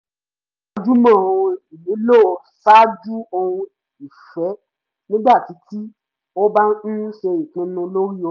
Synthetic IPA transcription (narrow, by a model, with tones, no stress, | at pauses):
a˧d͡ʒu˦mã˦˨õ˧i˨li˨˦lo˦˨˧ | sa˦d͡ʒu˦ɔ˧ũ˧ | i˨fɛ˨˦ | nĩ˦ɡ͡ba˦˨ti˨˦ti˦ | o˦ba˦n̩˦ʃe˧i˨k͡pũ˧˦nũ˧lo˦ɾi˦ɔ˧